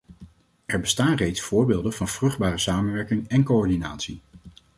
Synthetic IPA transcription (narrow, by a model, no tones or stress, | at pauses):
ɛɹbəstaːnrejtsfʊːɹbeːlˠdənvɑnv̥rɵχd̚baːrəsaːmənʋɛɹkɪŋɛnkoɔɹdinaːtsi